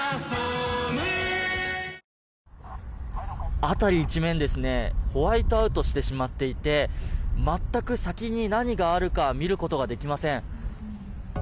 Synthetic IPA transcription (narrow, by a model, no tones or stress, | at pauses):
at̪aɾʲiːt͡ɕimẽ̞nd̪e̞sɨne̞ho̞βait̪oaɯ̟t̪o̞ɕi̥t̪e̞ɕimat̪ːe̞it̪e̞mat̪ːakɯ̟sakʲiɲ̟inaɲ̟iɡaːɾɯ̟kamʲiɾɯ̟ko̞t̪o̞ɡad̪e̞kʲimasẽ̞ɴ̃